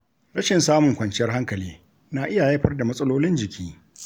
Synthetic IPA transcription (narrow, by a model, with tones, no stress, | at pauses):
ɽɐ˦ʃɪ˨nsaː˦mʊ˨ŋkʷɐ˨nt͡ʃɪ˦jɐ˦rɦa˦ŋkɐ˨liː˦ | naː˨ʔɪ˦ja˨ja˦ɸɐ˦rda˨mɐ˦sʼɐ˦loː˦lɪ˦nd͡ʒɪ˨kʲʰiː˦